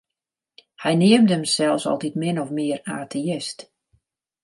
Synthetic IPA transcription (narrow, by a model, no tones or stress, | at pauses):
hɛjnɪəmdəmsɛlˠfsɔ̰lˠtitmɪnɔfmɪəraːtʰeɪst